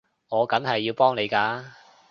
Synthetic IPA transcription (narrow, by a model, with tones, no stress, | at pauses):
ŋɔː˨˧kɐ˨˥mɦɐ˨jːiː˧wpɔː˥ŋne˨˧jkaː˧